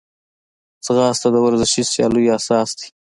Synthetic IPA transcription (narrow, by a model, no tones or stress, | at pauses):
t͡sɣɑːst̪ad̪əwaɾzɪʃisjɑ̰lujasɑːsd̪i̥